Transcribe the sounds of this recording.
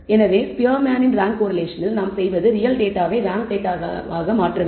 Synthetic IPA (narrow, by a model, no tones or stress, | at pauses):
ɛnɐʋeːpɪjɐɾmaːnɪnɾaːŋkkoːɾɐleːʂɐnɪlnaːmsɛjʋɐðɯɾɪjɐlɖeːʈaːʋeːʋaːŋkʈeːʈːaːaːɣɐmaːʈrɐʋeː